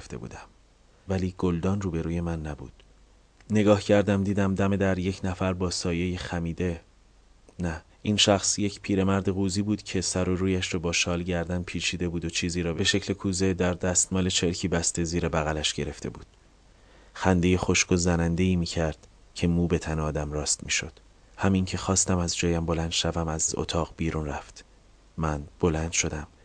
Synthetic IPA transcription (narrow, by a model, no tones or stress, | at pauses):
ft̪ḛbṵːd̪æm | væliːɡ̥old̪ɒːnruːbe̞ɾuːje̞mænːæbṵːd̪̥ | ne̞ɡɒːhcʰæɾd̪æmd̪iːd̪æmd̪æme̞d̪æɾje̞cʰnæfæɾbɒːsɒːjejexæmiːd̪e̞ | næ | ʔinʃæxsje̞cpʰiːɾe̞mæɾd̪e̞ɣuːziːbuːd̪̥cʰe̞sæɾo̞ɾuːjæʃɾɔːbɒːʃɒːlɟæɾd̪ænpʰiːt͡ʃʰiːd̪e̞buːd̪ot͡ʃʰiːziːɾɒːbe̞ʃecʰle̞kʰuːze̞d̪æɾd̪æst̪mɒːle̞t͡ʃʰe̞ɾcʰiːbæst̪e̞ziːɾe̞bæɣælæʃɟe̞ɾe̞ft̪e̞̰bṵːd̪̥ | xænd̪e̞je̞xo̞ʃkozænænd̪e̞iːmiːcʰæɾd̪̥ | cʰe̞muːbe̞t̪ʰæneɒːd̪æmrɒːst̪miːʃo̞d̪̥ | hæmiŋcʰe̞xɒːst̪æmæzd͡ʒɒːjæmbo̞lænd̪ʃævæmæzo̰t̪ʰɒːʁbiːɾuːnræft̪ | mænb̥o̞lænd̪̥ʃo̞d̪æm